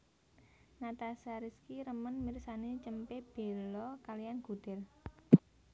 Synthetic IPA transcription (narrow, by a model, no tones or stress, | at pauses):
ŋat̪asaɾiskiɾəmənmirsanet͡ʃəmpeb̥e̤lɔkalijanɡ̥ṳd̪̥ɛl